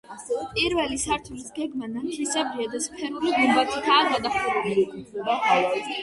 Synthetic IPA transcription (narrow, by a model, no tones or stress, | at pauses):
pʼiɾvɛlisaɾt̪ʰulisɡɛɡmanant̪ʰisʼɛbɾiad̪aspʰɛnuliɡumbak̪ʰʼit̪ʰaːɡad̪aχʼuɾɛbi